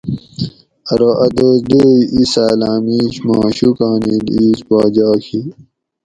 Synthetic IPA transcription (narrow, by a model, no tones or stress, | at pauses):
ɐɾoʔɐd̪oːsd̪oːiisaːlaːmiːɕmaːɕukaːnidiiːspaːd͡ʑɑːkʰi